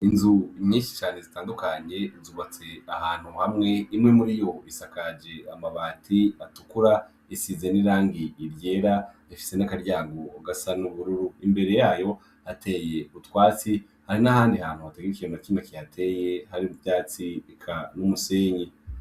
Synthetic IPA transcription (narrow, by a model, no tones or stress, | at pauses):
inzumɲiːʃi̥t͡ʃaːne̞zitaːndukaɲe̞zuβat͡se̞ahaːn̥huhamŋe̞imŋe̞muɾijo̞isakad͡ʒe̞amaβaːtʰiatu̥kuɾa | isizeniɾaːŋɡiːɾje̞ːɾa | ifi̥se̞nakaɾjaːɡoɡasanuβuɾuɾuimbe̞ɾe̞jaːjo̞ | hatʰe̞je̞utwaːt͡si | haɾinahaːndihaːn̥huhateɡeɾicijemat͡ʃiːmakijatʰe̞je̞haɾiujaːt͡siikʰanumuseːɲe